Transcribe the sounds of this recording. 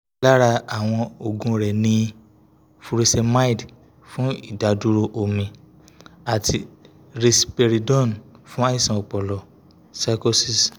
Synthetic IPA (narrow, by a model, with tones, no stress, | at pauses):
la˦ɾa˧a˨w̃ɔ̃˧o˨ɡũ˧˦ɾɛ˨nĩ˧ | fu˧ɾi˧˦sɛ˧ma˦i˨d | fũ˦i˦˨da˨du˦ɾo˧ʔo˨mĩ˨ | a˨tʰi˧ | ɾe˧si˨pe˧ɾi˨dɔ̃˦˨nfũ˦a˦i˦˨sã˨o˨k͡pɔ˨lɔ˨ | sa˧ko˧si˨s